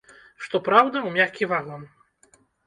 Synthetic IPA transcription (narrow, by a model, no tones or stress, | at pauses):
ʂt̪ɔpɾawd̪ɐwmʲakʲivaɣlˠɐm